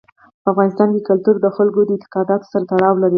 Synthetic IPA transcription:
pəafɣɑnɪst̪ɑnk̪əkalt̪uɾd̪əxalɡod̪əɪnt̪ɪ̥qɑd̪ɑt̪o̥saɾat̪aɽɑwlaɾi

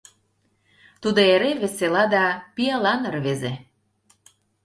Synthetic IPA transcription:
t̪ud̪oeɾeβĕselɑd̪ɑpiɑlɑnə̆rβeze

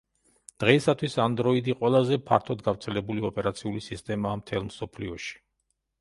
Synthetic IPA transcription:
d̪̥ʁɛisat̪ʰwisand̪ɾɔid̪iqʼwɛlˠazɛpʰa̰ɾt̪ʰɔd̪ɡavɾt̪sʰɛlɛbuliɔpʼɛɾat̪sʰiulisist̪ʼɛmaːmt̪ʰɛlˠmsɔpʰliɔʃi̥

